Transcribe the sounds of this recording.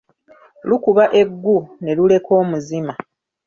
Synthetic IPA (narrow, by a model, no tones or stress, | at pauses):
lukuβaʔe̞ɡːune̞lule̞ko̞ːmuzima